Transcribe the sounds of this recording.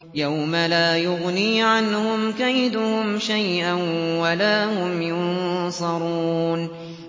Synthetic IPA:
jawmalaːjʊɣniːʕanhʊmkajd̪ʊhʊmʃajʔanwalaːhʊmjʊnnsˤɑɾˤuːn

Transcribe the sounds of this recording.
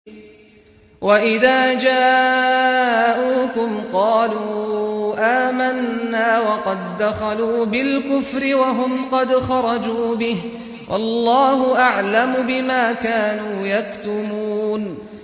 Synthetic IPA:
waʔɪðaːd͡ʒaː | ʔuːkʊmqɑːluːʔaːmanːaːwɑqɑd̪ːaxaluːbɪlkʊfɾɪwaɦʊmqɑd̪xɑɾˤɑd͡ʒuːbɪh | wʔɑ̰lˤːɑːhʊʔaʕlamʊbɪmaːkaːnuːjakt̪ʊmuːn

